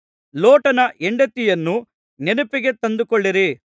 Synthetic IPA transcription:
loːʈɐnɐʔɛɳɖɐt̪ːijɐnːu | nenupiɡe̞t̪ɐnd̪ukɔɭːiɾi

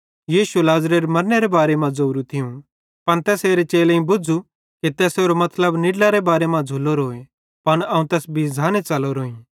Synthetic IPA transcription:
jiːʃulaːzɾeɾmɐɾneɾebaːɾemãd͡zoːɾũt̪ʰɪũ | pɐnt̪ɛːseːɾet͡ʃeːlẽĩbʊd͡ʒu | kit̪ɛːseːɾomɐt̪ʰləbnɪɖlaɾebaːɾemãd͡zʱulːoɾoːe | pɐnɐũt̪ɛːsbʱid͡zʱaːnit͡ʃɐloɾoːĩː

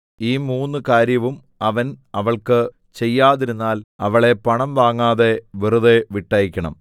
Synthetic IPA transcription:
iːmuːnːɨkaːɾjɐʋum | ɐʋɐnɐʋɐɭkɨ | t͡ɕe̞jːaːðiɾunːaːlɐʋɐɭe̞pɐɳɐmʋaːŋːaːðe̞ʋiruðeʋiʈːɐjikʲːɐɳɐ̰m

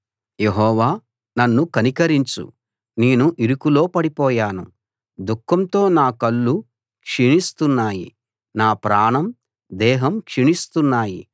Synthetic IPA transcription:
je̞ɦɔːʋaː | nɐnːukɐnikɐɾiɲt͡ʃṵ | neːnuʔiɾukulo̞ːpɐɽipɔːjaːnu | d̪ukʰːɐmt̪o̞ːnaːkɐlːu | kʂiɳist̪unːaːjḭ | naːpɾaːɳɐm | d̪ɛːɦɐmkʂiɳist̪unːaːjḭ

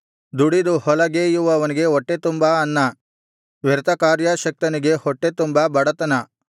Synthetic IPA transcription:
d̪uɽid̪uhɔlɐɡeːjuʋɐːʋɐniɡe̞oʈːet̪umbɐɐnːɐ | ʋɛɾt̪ɐkaːɾjɐʃɐk̚t̪ɐniɡe̞hɔʈːet̪umbɐbɐɽɐt̪ɐnɐ

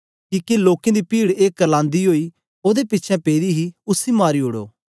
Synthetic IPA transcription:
kiːkeloːkẽd̪ipiːɽeːkːəlãːnd̪iɦoːi | oːd̪epɪtːʃʰɛ̃peːɾiɦiʊsimaːɾiɦʊɽo̰ː

